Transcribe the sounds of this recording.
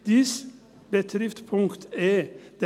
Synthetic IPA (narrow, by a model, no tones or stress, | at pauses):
d̪̥ɪs | bət̪ʰɾɪft̪pʰʊŋkt̪ɛd̪̥